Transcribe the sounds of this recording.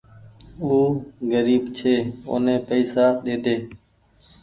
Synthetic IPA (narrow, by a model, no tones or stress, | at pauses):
uːɡəɾiːbt͡ʃʰeːo̰ːnẽːpəːsaːɗ̪eːt̪eː